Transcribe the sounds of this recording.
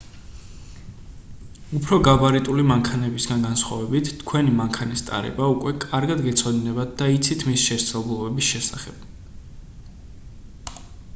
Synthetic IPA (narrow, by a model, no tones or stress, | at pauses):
upʰɾɔɡabaɾit̪ʼulimaŋkʰanɛbisɡanɡansχwa̰vɛbit̪ʰt̪ʰkʰwɛnimaŋkʰanist̪ʼa̰ɾɛ̰baukʼwɛkʼaɾɡad̪ɡɛt̪sʰɔd̪inɛbat̪̚d̪ait̪sʰit̪ʰmisʃɛɾt̪sʰalˠbulˠɔbɛbisʃɛsaχɛb̥̚